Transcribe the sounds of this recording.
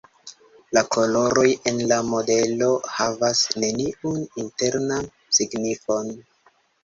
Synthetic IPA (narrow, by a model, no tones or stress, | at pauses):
lakʰo̞lo̞ɾo̞je̞nlamo̞de̞lo̞havasne̞niuninte̞ɾnan | siɡnifo̞n